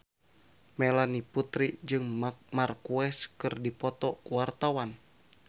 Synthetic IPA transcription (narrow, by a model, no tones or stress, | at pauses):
mɛlaniput̪ɾid͡ʒɨŋmarkuɛskɨrdipɔt̪ɔkuwart̪awan